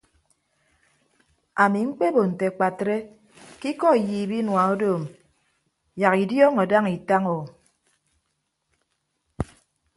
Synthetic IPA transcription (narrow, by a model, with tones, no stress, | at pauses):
a˨mi˨ŋ͡m̩˦k͡pe˦bo˨n̩˨te˨k͡pa˨tɾe˦ | ki˦kɔ˦i˨jiː˨bi˦nwa˨o˦doː˦˨m | ja˨ki˨djɔː˦ŋɔ˨da˦ŋi˨ta˦ŋo˨